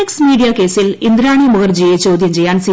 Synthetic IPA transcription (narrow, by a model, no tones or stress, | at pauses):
eksmiːɽijaːkeːsilind̪ɾaːɳimuɡɐrd͡ʑejet͡ɕoːd̪ʱjɐmt͡ɕejːaːnsi